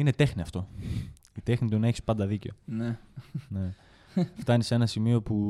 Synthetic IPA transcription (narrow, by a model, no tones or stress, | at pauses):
ine̞t̪e̞xniɐft̪o̞ | it̪e̞xnit̪unɐe̞çi̥spɐnd̪ɐðice̞onne | ft̪ɐnise̞nɐsimio̞pu